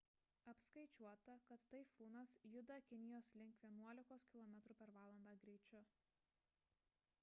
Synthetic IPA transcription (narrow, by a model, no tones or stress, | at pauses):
ɐpskɐɪt͡ʃʲuɔt̪ɐkɐt̪ːɐɪfuːnɐsjʊd̪ɐkʲɪnʲɪjoːslʲɪŋkʋʲiɛnuɔlʲɪkoːskʲɪlˠɔmʲɛt̪ɾuːpʲɛɾʋɑːlˠɐnd̪ɑːɡɾʲɛɪt͡ʃʲʊ